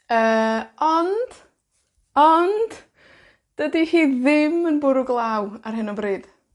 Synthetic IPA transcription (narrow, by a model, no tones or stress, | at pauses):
əːɔnd̥ | ɔnd̥ | d̥ədihiːðɪmənbʊɾʊɡlˠawarɦɪnɔbriːd̥